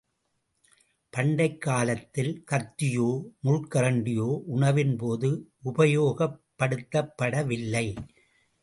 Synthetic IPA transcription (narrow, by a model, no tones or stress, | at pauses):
pɐɳɖɐɪkːaːlɐt̪ːɪlkɐt̪ːɪjoːmʊɻkɐɾɐɳɖɪjoːʔʊɳɐʋɪnpoːðɯʔʊbɐjoːɣɐpːɐɽɯt̪ːɐpːɐɽɐʋɪlːɐɪ